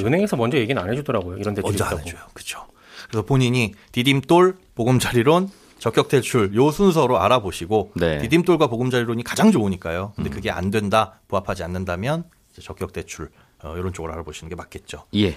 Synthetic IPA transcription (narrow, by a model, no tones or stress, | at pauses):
ɯnɦeŋesʰʌmʌnd͡ʑʌje̞ɡinanɦed͡ʑudʌɾaɡojoiɾʌndenid͡ʑaneojokɯ̥t͡ɕʰo̥ | kɯɾesʰʌpoɲiɲitidimt͈oɭpoɡɯmd͡ʑaɾiɾon | t͡ɕʌkjʌk̚t͈e̞t͡ɕʰuɭjosʰuns̬ʰʌɾoa̰ɾaboɕʰiɡonetidimt͈oɭɡwapoɡɯmd͡ʑaɾiɾoɲikad͡ʑaŋd͡ʑouɲik͈ajokɯndekɯɡe̞a̰ndwe̞ndapuɦapʰad͡ʑianːɯndamjʌn | id͡ʑe̞t͡ɕʌk͈jʌk̚t͈e̞t͡ɕʰuɭ | ʌjoɾont͡ɕ͈oɡɯɾa̰ɾaboɕʰinɯnɡe̞mak͈e̞t̚t͡ɕ͈oje̞